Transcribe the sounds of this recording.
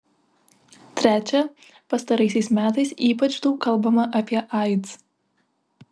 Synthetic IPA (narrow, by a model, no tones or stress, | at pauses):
t̪ʲɾʲæːt͡ʃʲɛ | pɐst̪ɐɾɐɪsʲɛɪsmʲæːt̪ɐɪsiːpɐt͡ʃd̪uːkɐlˠˑbɐmɐʔɐpʲiɛʔɐɪt̪s